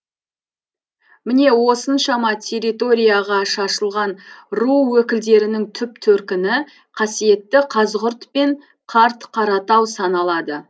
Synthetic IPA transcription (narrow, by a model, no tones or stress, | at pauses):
mɪne̞wo̞sənʃɑmɑt̪ʲʰe̞ɾit̪o̞ɾʲijaʁɑʃɑʃəlˠʁɑnruwɵkʲɪld̪e̞ɾɪnɪŋt̪ʰʏpt̪ʰɵɾkʲɪnɪ | qʰɑsije̞t̪ːɪqʰɑzʁʊɾt̪pe̞ɴ | qʰɑɾt̪qʰɑɾɑt̪ɑwsɑnɑlˠɑd̪ə